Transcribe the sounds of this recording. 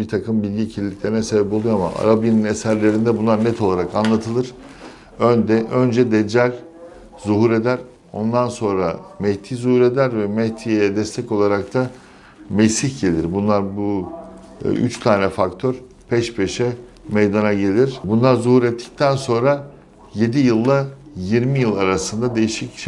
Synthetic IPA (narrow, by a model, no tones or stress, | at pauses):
bit̪ʰakʰɯmbilʲɟiːcʰilʲilːʲiclʲe̞ɾinɛsebɛp̬o̞lˠujoama̰ʔa̰ɾabjininesæɾlʲe̞ɾind̪ɛbunlˠaɾnɛt̪ʰo̞lˠaɾakanlˠat̪ʰɯlˠɯɾ̥ | ønd̪ɛʔø̞nd͡ʒɛd̪ɛd͡ʒæɾʲ | zuɦuɾe̞d̪æɾ | o̞̰nd̪anso̞nɾamɛht̪ʰiːzuhuɾe̞d̪æɾvɛmɛht̪ʰijejɛd̪ɛst̪ʰɛco̞lˠaɾak̚t̪ʰa | mesiçɟe̞lʲiɾbunlˠaɾbṵ | ʔy̰t͡ʃt̪ʰaːnɛfakt̪ʰøɾ | pʰɛʃpʰeʃɛ | mejd̪anaɟe̞lʲiɾ̥bunlˠaɾzuhuɾɛt̪ʰːi̥c̚t̪ʰænso̞nɾa | je̞d̪ijɯlˠːajiɾmijɯlˠaɾasɯnd̪ad̪e̞jiʃicʃ